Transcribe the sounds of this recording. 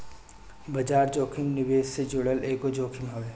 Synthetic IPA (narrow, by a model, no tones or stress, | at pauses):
bɐd͡ʒaːɾd͡ʒoːkʰɪmnɪʋeːssed͡ʒoːɽəleːkod͡ʒoːkʰɪmɦɐʋeː